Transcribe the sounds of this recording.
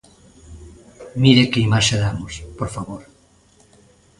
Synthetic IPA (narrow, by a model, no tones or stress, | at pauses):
miɾekeimaʃeðamospoɾfaβoɾ